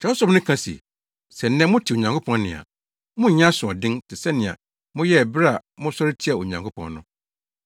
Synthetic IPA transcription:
t͡ɕʰɛ˨˦ʊ˦sɔ˦bnʊ̃˦kʰã˦sḭ˨ | sɛ˨n̩˦nɛ̃˦mʊ̃˦tʰi˨o˨ɲã˨ŋkʰo˦pʰɔ̃˦nnɪ̃˨a̰˨ | mʊ̃˦˨ɲ˦ã˦sʊ̃˨ɔ˨dɪ̃˦ntʰɪ˨sɛ˦nɪ̃˨a̰˨ | mʊ̃˦jɛ˦˨bɪ˦ɾa˨mʊ̃˦sɔ˦ɾɪ˦tʰi˦a˨o˨ɲã˨ŋkʰo˦pʰɔ̰̃˨nnʊ̰̃˦

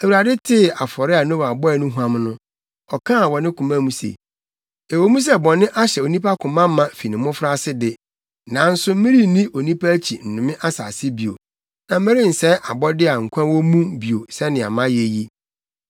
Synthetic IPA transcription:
e˨wu˨ɾa˨dɪ˦tʰɪ˦˨a˨fɔ˨ɾɪ˦a˨nʊ̃˦wa˨bɔ˦ɛ˨nʊ̃˦ɦu˨˦ã˦m˦nʊ̃˦ | ɔ˨kʰã˦˨wɔ˨nɪ̃˦kʰũ˨mã˦˨mũ˦sḛ˨ | e˨wo˦mũ˦s̬ɛ˦˨bɔ̃˨nɪ̃˦ʔa˦ɕɛ˨o˨nĩ˦pʰa˦kʰʊ̃˨mã˦mːã˨fi˨nɪ̃˨mʊ̃˦fɾa˦sɪ˦dɪ˦ | nã˨n̩˦sʊ˦m̩˦mɪ̃˦ɾi˦nĩ˦ʔo˨nĩ˦pʰa˦t͡ɕʰi˨n̩˨nʊ̃˨mɪ̃˦ʔa˦sa̰˨sɪ˦bi˨o̰˨ | nã˨m̩˦mɪ̃˦ɾɪ˦n̩˨sɛ˦ʔa˨bɔ˦dɪ˦a˨ŋ̩˨kʷʰã˦wɔ˦mũ˦bi˨o˨sɛ˦nɪ̃˨a̰˨mã˦je˦ji˦

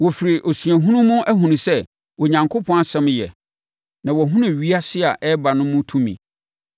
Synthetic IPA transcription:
wɔ˨fi˨ɾi˨ʔo˨sũ˨æ˨ɦũ˦nʊ̃˦mʊ̃˦ʔæ˦ɦũ˨nʊ̃˨sɛ˦ | wɔ˨ɲã˨ŋkʰʊ˦pʰɔ̃˦a˦sɛ̃˦m˦jɛ̰˨ | nã˨wɔ˨ɦũ˦nʊ̃˦˨ɥi˦a˦sɪ˦a˨ʔɛ˦ba˨nʊ̃˦mʊ̃˦tʰũ˦mḭ̃˨

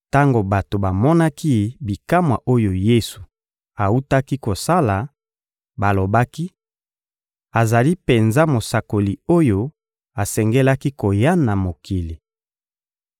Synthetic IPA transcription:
ta˦ŋɡo˨ba˨to˨ba˨mɔ˦na˦ki˦bi˨ka˦mwa̰˨ʔo˦jo˨je˦su̥˨ | a˨u˦ta˦ki˦ko˨sa˦la˨ | ba˨lo˨ba˦ki˦ | a˨za˨li˦pe˨nza˦mo˨sa˨ko˨li˨o˦jo˦ | a˨sɛ˨ŋɡɛ˦la˦ki˦ko˨ja˦na˨mo˨kʰi˨li˨

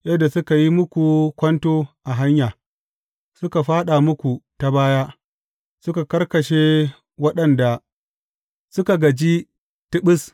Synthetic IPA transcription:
jɐ˦dːa˨sʊ˦ka˨ji˦mʊ˦kʷu˨kʷɐ˦ntoː˦ʔa˨ɦa˦ɲjaː˨ | sʊ˦ka˨ɸaː˦ɗa˨mʊ˦kʷu˨ta˨baː˦ja˦ | sʊ˦ka˨kɐ˦rkɐ˨ʃe˦ | wɐ˦ɗɐ˨nda˨ | sʊ˦ka˨ɡɐ˨d͡ʒi˦ | tɪ˦ɓɪ˦s

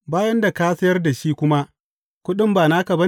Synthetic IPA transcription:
baː˦jɐ˦nda˨ka˦sɐ˦jɐ˦rda˨ʃiː˦kʷʊ˦ma˦ | kʷʊ˦ɗɪ˦mbaː˨naː˦kɐ˨bɐ˦

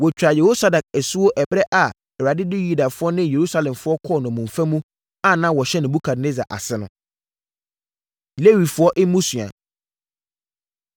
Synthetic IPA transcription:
wɔ˨t͡ɕᶣa˨je˨ho˦sa˦da˨k̚ɛ˨su˦wo˦ʔɛ˨bɾɛ˦ʔa˨ | ɛ˨ɾa˨dɪ˦dɪ˦ju˦da˨fʊ˨˦ɔ˦nɪ̃˦je˨ɾu˦sa˦˨lɛ̃˨mfʊ˦ɔ˦kʰɔ˦˨nʊ̃˨mũ˨ɱ˨fæ̃˦mũ˦ | ã˨nã˦wɔ˨ɕɛ˦nɪ̃˨bu˦kʰa˨dne˦za̰˨ʔa̰˨sɪ˦nʊ̰̃˦ | le˦wi˨fʊ˦ɔ˦ʔɪ˦mũ˦su˨a̰˨

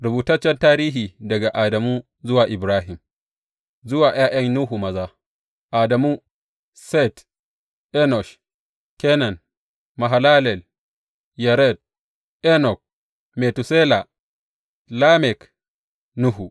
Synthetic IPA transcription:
ɾʊ˨buː˨tɐ˦t͡ʃːɛ˦ntaː˦ɾiː˦ɦiː˨dɐ˨ɡa˨ʔaː˨dɐ˨muː˦ | zʊ˦waː˨ʔɪ˨bɾaː˦ɦɪ˨m | zʊ˦waː˨j̰aː˦j̰ɐ˦ŋnu˦ɦu˨mɐ˨zaː˦ | ʔaː˨dɐ˨muː˦ | sɛ˦t | ʔɛ˦nɔ˨ʃ | kɛ˦nɐ˨n | ma˨ɦa˨laː˦lɛ˨l | ja˨ɾɛ˦d̚ | ʔɛ˦nɔ˨k̚ | me˨tu˨se˦la˨ | la˦mɛ˨k | nu˦ɦu˨

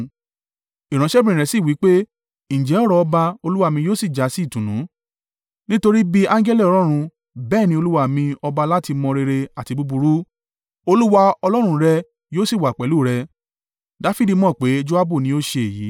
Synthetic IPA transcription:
i˨ɾ̃ã˨˦ʃɛ˦bĩ˦ĩ˨ɛ˨si˦˨wi˨˦k͡pe˦ | ñ̩˨d͡ʒɛ˨˦ɔ˦ɾɔ˧ɔ˧ba˧o˧lu˦wa˧mĩ˧joː˦si˦˨d͡ʒa˨˦si˦˨tũ˨nũ˨˦ | nĩ˦to˧ɾi˦bi˧ã˦ŋ˦d͡ʒɛ˦lɛ˦˨ɔ˧ɾ̃ɔ̃˦ɾ̃ũ˧ | bɛː˦˨nĩ˧˦o˧lu˦wa˦˨mĩ˧ɔ˧ba˧la˦ti˧mɔ̃˧ɾe˧ɾe˧a˨ti˧bu˧bu˧ɾu˦ | o˧lu˦wa˧ɔ˧lɔ˦ɾ̃ũ˧ɾɛ˧ | joː˦si˦˨wa˨k͡pɛ˨˦lu˦˨ɾɛ˧ | da˨˦fi˦di˧mɔ̃˦˨k͡pe˨˦d͡ʒo˦a˦bu˦˨nĩ˨˦o˦ʃe˧e˨jḭ˨˦

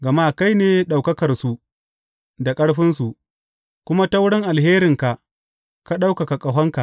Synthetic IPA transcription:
ɡɐ˨maː˦˨ka˦jneː˨ɗa˨wkɐ˦kɐ˨rsu˨ | da˨kʼɐ˦ɽɸɪ˦nsu˨ʔ | kʷʊ˦ma˦ta˦wʊ˦ɽɪ˦ŋʔa˨lɦeː˦ɾɪ˨ŋka˨ʔ | ka˦ɗa˦wka˨ka˨kʼɐ˨ɦɐ˦ŋka˨

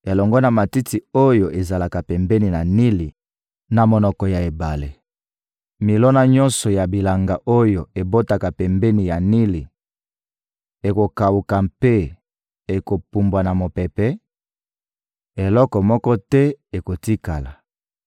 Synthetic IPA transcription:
e˨lɔ˨ŋɡɔ˦na˨ma˨ti˦ti˨o˦jo˨ʔe˨za˨la˨ka˨pɛ˨mbɛ˦ni˨na˨ni˦li˨ | na˨mo˨nɔ˨kɔ˨ja˨e˨ba˨le˨ | mi˨lɔ˦na˦ɲɔ˦nsɔ˨ja˨bi˨la˨ŋɡa˨ʔo˦jo˨e˨bo˦ta˨ka˨pɛ˨mbɛ˦ni˨ja˨ni˦li˨ | e˨ko˨ka˨wu˨ka˨mpe˦ | e˨ko˨pu˨mbwa˨na˨mo˨pɛ˨pɛ˦ | e˨lɔ˦kɔ˨mɔ˦kɔ˦tɛ˦e˨ko˨ti˦ka˨la̰˨

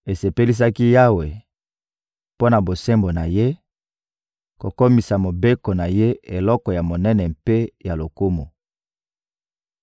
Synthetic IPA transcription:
e˨se˨pe˦li˦s̬a˦ki˦ja˦we˨ | po˦na˨bo˨se˦mbo˨na˨je˦ | ko˨ko˦mi˨sa˨mo˨be˦ko˨na˨je˦e˨lɔ˦kɔ˨ja˨mo˨nɛ˦nɛ˨mpe˦ja˨lo˨ku˦mo˨

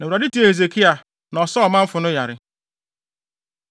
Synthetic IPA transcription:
ne˨ɾa˨di˦ti˦e˦˨e˨ze˨ki˦a˨ | nɔ˨sɔ˦ɔ˨ma˦m̩˦fʊ˨nʊ˦ja˨ɾɪ˨

